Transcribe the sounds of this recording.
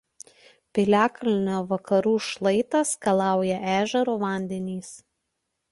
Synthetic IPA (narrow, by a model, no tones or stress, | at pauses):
pʲɪlʲæːkɐlʲɪnʲoːʋɐkɐɾuːʃlˠɐɪt̪ɐskɐlˠɑˑʊjɛʔæːʒʲɛɾuːʋɐˑnʲd̪ʲɛnʲiːs